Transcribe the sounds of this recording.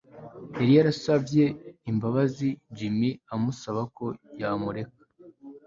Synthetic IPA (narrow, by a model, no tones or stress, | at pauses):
eɾijaɾasavje̞imbaβazid͡ʒimiamusaβako̞jamuɾe̞kḁ